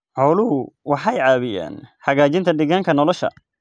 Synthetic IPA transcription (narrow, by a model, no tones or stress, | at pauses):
ħɔːlʊɦʊwɑħɑjʕɑːβɪja̰ːnħɐɣaːt͡ʃɪnt̪ʰɐd̪ɪɣaːŋkʰɐnɔlɔʃɐ̰